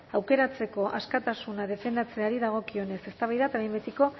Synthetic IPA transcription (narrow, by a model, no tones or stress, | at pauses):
awke̞ɾat͡se̞ko̞ʔaskat̪asunað̞e̞fe̞nd̪at͡se̞aɾiðaɣ̞o̞kio̞ne̞se̞st̪aβajðat̪aβembet̪iko̞